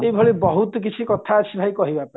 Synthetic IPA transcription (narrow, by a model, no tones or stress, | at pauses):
ejbʱɔɭebɔɦut̪ɔk̬it͡ʃʰikɔt̪ʰaːsʰibʱajkɔɦibapa